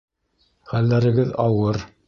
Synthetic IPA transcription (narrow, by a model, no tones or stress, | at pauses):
χælːæɾɘ̆ɡɘðɑwɤɾ